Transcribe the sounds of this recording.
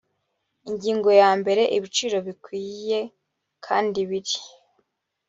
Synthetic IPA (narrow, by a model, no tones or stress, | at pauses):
iɲɟiːŋɡo̞jaːmbe̞ɾe̞ʔiβit͡ʃiɾo̞βikwiːje̞ | kʰaːndiβiɾi̥